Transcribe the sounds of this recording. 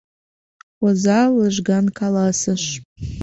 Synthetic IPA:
wazalɨʒɡankʰalasɨʃʼ

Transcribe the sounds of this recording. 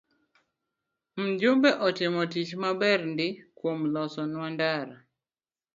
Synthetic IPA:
m̩d͡ʒʊmbɛʔɔtɪmɔtit͡ʃmabɛrndɪkwomlɔsɔnwandaɾa

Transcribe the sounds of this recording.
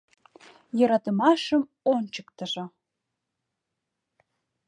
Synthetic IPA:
jɤ̆ɾɑt̪əmɑʃəm | onʲt͡ɕəkt̪əʒŏ

